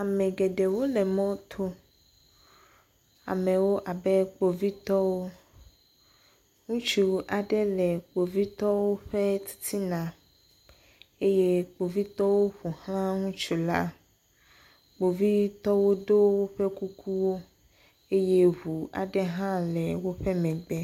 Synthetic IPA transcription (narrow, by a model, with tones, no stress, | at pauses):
a˨mɛ̃˨ɡe˨ɖɛ˨wo˦lɛ˨mɔ̃˦t̪ʰo˦ | a̰˨mɛ̃˨wo˦ʔa˨bɛ˦k͡po˨vi˦t̪ɔ˦wo˦ | ŋũ˦t͡ʃu˨ʔa˨ɖɛ˦lɛ˨k͡po˨vi˦t̪ɔ˦wo˦ɸe˦t̪i̥˦t̪ʰi˦nã˨ | e˦je˦k͡po˨vi˦t̪ɔ˦wo˦ɸu˨hl̃ã˦ŋũ˦t͡ʃu˨la̰˦ | k͡po˨vi˦t̪ɔ˦wo˦ɖo˦wo˦ɸe˦ku˦kʰu˦wo˦ | e˦je˦ɦu˨a̰˨ɖɛ˦ɦã˦lɛ˨wo˦ɸe˦mɛ̃˨ɡ͡bɛ˦